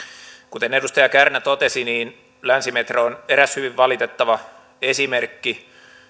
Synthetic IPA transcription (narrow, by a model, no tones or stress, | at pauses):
kut̪enedust̪ɑjɑkærnæt̪ot̪esiniːn | lænsimet̪ræoneɾæshyʋiʋːɑlit̪et̪ːɑʋɑ | esimerkːi